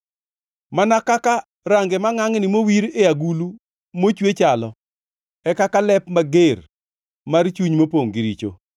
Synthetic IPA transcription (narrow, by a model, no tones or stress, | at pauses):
manakaka | ɾaŋɡemaŋaŋnɪmowiɾeaɡulu | mot͡ʃwet͡ʃalɔ | ɛkakalɛpmaɡer | mart͡ʃuɲmopoŋɡɪɾit͡ʃo̰